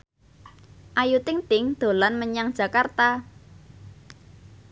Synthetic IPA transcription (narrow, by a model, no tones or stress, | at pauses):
ʔajut̪ɪŋt̪ɪŋd̪̥o̤lanməɲaŋd̥ʒ̥a̤kart̪a